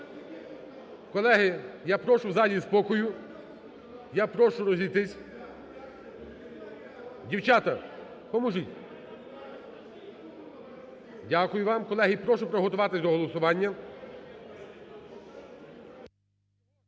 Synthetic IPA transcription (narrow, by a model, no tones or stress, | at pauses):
kɔlˠɛɦɪjapɾɔʃʊwzɑlʲispɔkɔjʊ | japɾɔʃʊɾɔzʲijt̪ɪsʲ | dʲiwt͡ʃɑt̪ɐ | pɔmɔʒutʲ | dʲakʊjʊʋɑmkɔlˠɛɦipɾɔʃʊpɾɔɦɔt̪ʊʋɑt̪ɪsʲd̪ɔɦɔlˠɔsʊʋɑnʲːɐ